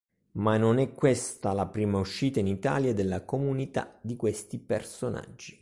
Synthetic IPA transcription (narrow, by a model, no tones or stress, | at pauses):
manːonɛkːwest̪alapɾiːmauʃːiːt̪ainit̪a̰ːljad̪elːakomunit̪a̰d̪ikwest̪ipersona̰d͡ʒːi